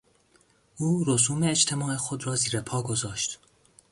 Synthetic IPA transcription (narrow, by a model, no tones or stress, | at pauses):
uːɾos̬uːmeːd͡ʒt̪ʰemɒːexod̪ɾɒːziːɾepʰɒːɡozɒːʃt̪